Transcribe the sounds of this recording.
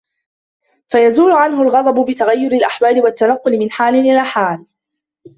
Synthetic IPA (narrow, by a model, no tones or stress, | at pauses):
fajazuːlʊʕanɦʊlɣɑd̪ˤɑbʊbɪt̪aɣajːʊɾɪalʔaħwaːlɪwat̪ːanɑqːʊlɪmɪnħaːlɪnʔɪlaːħaːl